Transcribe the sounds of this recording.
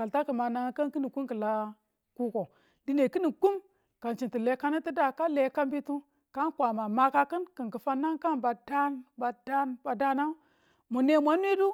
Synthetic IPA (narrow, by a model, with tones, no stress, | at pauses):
ka˨lta˦kə˨ma˨na˨˦ka˦nki˦ni˨ku˦mkə˨la˦ | ku˦ko˨ | di˦ne˨ki˦ni˨ku˦m | ka˨nt͡ʃi˨nti˨le˨ka˦ni˦ti˦da˨ka˦le˨˦ka˦mbi˦tu˦ | ka˦nkʷa˨ma˨ma˨ka˦kə˦nkə˨ŋkə˨fa˦na˦ŋka˦nba˨da˦nba˨da˦nba˨da˦na˦ | mu˨ne˦mʷa˦n˦i˦du˦